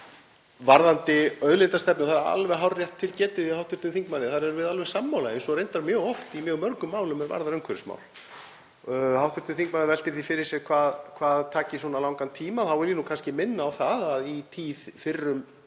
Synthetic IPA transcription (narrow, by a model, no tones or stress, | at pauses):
vaɾðant̪ɪœðlɪnt̪ast̪ɛp̚nʏθaɾaɾa̰lvɛɣɦawrjɛht̪ʰːɪlcɛːt̪ɪðɪhawt̪vʏɾt̪ʏnθiŋkmanːɪθaɾɛɾvɪðalvɪmsamːawlaejnsɔrejnt̪aɾmjœːɣɔft̪imjœːɣmœɾkʏmːaːwlʏmɛɾva̰ɾðaɾœŋkʰvɛɾɪsma̰ːwl | hawht̪vʏɾ̥t̪ɪnθiŋk̚manɪvɛlt̪ɪɾθifɪɾɪɾ̥sjɛɣkʰvaːðkʰvaːðt̪ʰaːcɪsɔːnalawŋkant̪ʰiːmaθawɛɾjɪnukʰanscɪmɪnːaːwθaðaðit̪ʰiːθfɪrːʏm